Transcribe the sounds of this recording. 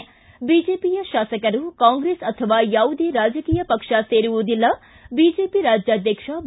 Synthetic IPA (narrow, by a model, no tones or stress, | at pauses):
bid͡ʒeːpijɐʃaːsɐkɐɾukãːŋɡɾesɐt̪ʰɐʋaːjaːwd̪ʱiɾaːd͡ʒɐkiːjɐpɐkʂaseːɾuʋud̪ilːɐ | biːd͡ʒeːpiɾaːd͡ʒjaːd̪ʱjɐkʂab